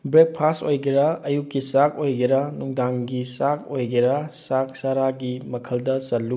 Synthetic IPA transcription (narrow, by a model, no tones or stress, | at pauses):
bɾek̚pʰastojɡɐɾɐɐjukːisakojɡɐɾɐnuŋdaŋɡisakojɡɐɾɐsak̚saɾaɡimɐkʰɐldɐsɐtːu